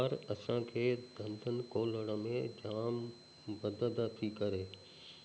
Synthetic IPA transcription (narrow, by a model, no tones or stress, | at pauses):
ɾɐsãkʰeːd̪ʱɐ̃nd̪ʱənɪ̆koːləɽ̃ə̆mẽd͡ʑaːm | bɐd̪ʱəld̪at̪ʰikɐɾeː